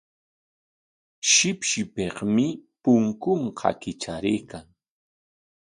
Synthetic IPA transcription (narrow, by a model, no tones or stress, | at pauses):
ʃɪpʃɪpeqmɪpʊŋkʊɴqʰɑ̰kɪt͡ʃaɾɪːkaŋ